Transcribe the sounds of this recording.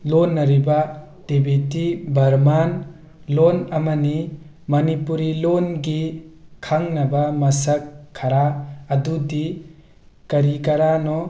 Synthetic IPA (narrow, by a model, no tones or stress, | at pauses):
lɔnːɐɾiba | d̥ebitibʱɐɾman | lɔnɐmɐni | mɐnipuɾilɔnɡikʰaŋnɐbamɐsɐkʰːaɾaːdudi | kɐɾikaɾanɔ